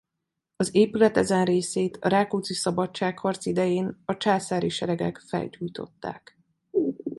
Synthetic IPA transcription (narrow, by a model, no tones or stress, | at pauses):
ɒzeːpylɛt̪ɛzɛnreːseːt̪ʰɒɾaːkut̪sisɒbɒt͡ʃːaːkhɒrt̪sid̪ɛjeːnɒt͡ʃaːsaːɾiʃɛɾɛɡɛ̰kfɛ̰ld͡ʒujt̪o̞̰t̪ːa̰ːk